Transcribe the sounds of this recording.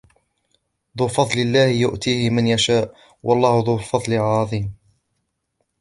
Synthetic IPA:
ðˤuːfɑðˤlɪlːaːhɪjʊʔt̪iːhɪmanjaʃaːʔ | wʔɑlˤːɑːhʊðˤuːfɑðˤlɪʕɑðˤiːm

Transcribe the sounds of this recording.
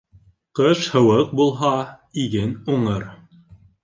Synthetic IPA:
qɤʃhɤ̆wɤq̚bulˠɦɑ | iɡɘnuɴɤɾ

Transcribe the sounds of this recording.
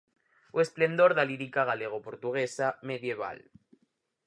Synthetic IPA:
wesple̞nd̪o̞ɾðaliɾikaɣ̞aleɣ̞opoɾt̪uɣ̞esameðjeβ̞a̰l

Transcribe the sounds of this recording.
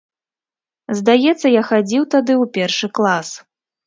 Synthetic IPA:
zd̪ajɛt̪sːɐjaxad͡zʲiwt̪ad̪ɨwpʲɛrʂɨklˠas

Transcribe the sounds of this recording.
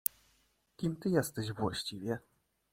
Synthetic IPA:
kʲimt̪ɘjɛst̪ɛɕvwa̰ɕt͡ɕivʲjɛ

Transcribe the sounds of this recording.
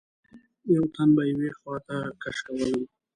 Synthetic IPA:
jawt̪anbajawexwɑt̪akaʂkawələm

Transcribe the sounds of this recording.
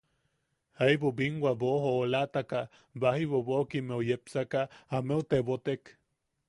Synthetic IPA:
aiβobiŋɡwabohoːlat̪aka | bahiβoβokimeojepsakaameot̪eβot̪ek

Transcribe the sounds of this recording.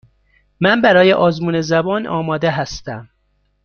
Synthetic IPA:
mænbæɾɒːjeʔɒːzmuːnezæbɒːnʔɒ̰ːmɒːd̪eɦæst̪æm

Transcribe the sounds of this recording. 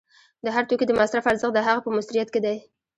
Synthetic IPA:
d̪əɦaɾt̪okid̪əmasɾafaɾzəxd̪əɦaɣapəmʊsɾijat̪ked̪aj

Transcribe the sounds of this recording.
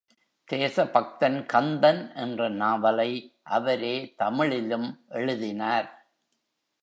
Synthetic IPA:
t̪eːsɐpɐk̚t̪ɐnkɐnd̪ɐnʔɛndrɐnaːʋɐlɐɪʔɐʋɐɾeːt̪ɐmɪɭɪlɯmʔɛɻɯðɪnaːɾ

